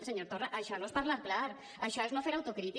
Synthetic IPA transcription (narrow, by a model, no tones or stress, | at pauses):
seɲoɾt̪oraʔaʃɔnõespaɾlaɾklaɾ | aʃɔeznõfeɾawt̪okɾit̪i